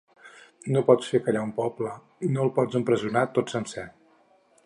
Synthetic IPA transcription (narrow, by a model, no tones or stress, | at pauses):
nopɔt͡sfekəʎaumpɔblə | inolˠpɔd͡zəmpɾəzunat̪otsənsɛ